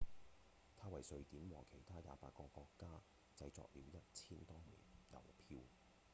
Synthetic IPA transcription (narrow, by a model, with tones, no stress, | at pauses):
t̪ʰaː˥wɐ˨˩jsɵ˧ɥt̪iː˨˥mwɔː˨˩kʰe˨˩jt̪ʰaː˥ja̰ː˨˧pa̰ː˧t̚kɔː˧kɔː˧kːaː˥ | t͡sɐ˧jt͡sɔ̰ː˨k̚liː˨˧wjɐ˥t̚t͡sʰiː˥nt̪ɔː˥mḭː˨˩njɐ̰˨˩wpʰiː˧w